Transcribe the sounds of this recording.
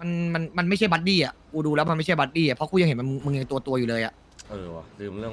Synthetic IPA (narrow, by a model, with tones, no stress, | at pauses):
ma˧nma˧nma˧nm˥˩jt͡ɕʰa˥˩jba˦˥t̪̚diː˥˩ʔa˨˩ʔkʰuː˧˩duː˧lɛː˦˥wma˧nma˥˩t͡ɕʰa˥˩ba˦˥t̪̚diː˥˩a˨˩pʰɾɔ˦˥kʰuː˧˥˩ja˧ŋhe˩˦ma˧m˧ŋmɯ˧ŋja˧ŋt̪u˧ɐt̪u˧ɐjuː˨˩lɤː˧jʔa̰˨˩ʔ | ʔɤː˧˩lɯː˧mɾɯ˥˩əŋ